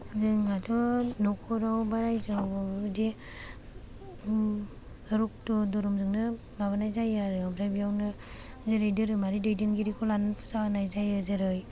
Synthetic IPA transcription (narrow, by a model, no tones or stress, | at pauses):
zɯŋatʰɔnɔkʰɔɾawbaɾajzadi | ɯɾuk̚tɔdɔɾɔmzɯŋnɯ | baβanajzajaɾɯabɾajbijawnɯ | zeɾɯjdɯɾɯmaɾidɯjdɯŋɡiɾikʰɔlanpʰɯ̥saanajzajɯzɯɾɯj